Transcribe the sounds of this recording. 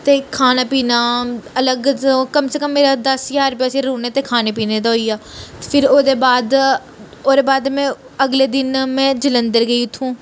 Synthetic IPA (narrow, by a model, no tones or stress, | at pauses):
t̪eːkʰaːnaːpiːnaːələɡkəmseːkəmːeːɾaːd̪əsjaːɾpjaːsẽːɾũːneːt̪eːkʰaːneːpiːneːd̪aɦoːiːaːpʰɪɾoːd̪eːbaːd̪ | oːd̪eːbaːd̪mɛ̃ː | əɡleːd̪ɪnmɛ̃ːd͡ʒələnd̪əɾɡəiːʊt̪ʰːũː